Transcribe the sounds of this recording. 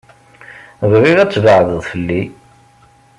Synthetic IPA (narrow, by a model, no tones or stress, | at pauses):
ðriʁæt͡sːvəʕðəðˤfəlːi